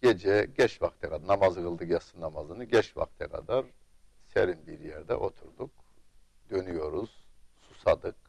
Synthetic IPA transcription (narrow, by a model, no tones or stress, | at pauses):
ɟ̥ed͡ʒɛɟɛʃvakt̪ʰɛkʰanamazɡɯlˠd̪ɯkjasɯnamazɯnɯɟɛʃva̰kt̪ʰɛkʰa̰d̪aɾ | sḛɾinbiɾjɛɾd̪ɛ̰ʔo̞t̪ʰuɾd̪uk | d̪̥ø̞nyjo̞ɾuz̥susad̪ɯk